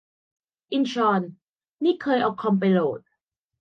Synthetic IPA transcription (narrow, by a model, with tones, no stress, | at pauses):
ʔi˧nt͡ɕʰɔː˧n | niː˥˩kʰɤː˧jʔɔː˨˩kʰːɔ˧mp̬a˧jloː˨˩t̪̚